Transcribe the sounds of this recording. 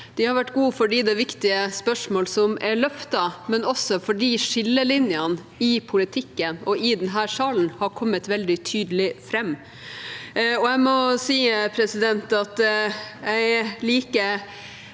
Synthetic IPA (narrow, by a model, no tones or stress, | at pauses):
d̪̥ɪhɑɾʋæʈːɡuːfɔɖiːd̪ɛʋɪkt̪ɪəspœʂmoːlsɔmɛɭœft̪ɑmɛnɔsːɔfɔɖiːʂɪlːəlɪnjɑn | ɪpʰʊlɪt̪ʰɪkːənɔɪd̪ɛnɦæːɾʂɑːln̩hɑɾkʰɔmːət̪ʋɛld̪ɪt̪ʰyːd̪əlɪfɾɛmː | ɔæmɔsiːəpʰɾɛsɪd̪ɛnt̪ɑt̪ | æɪliːkə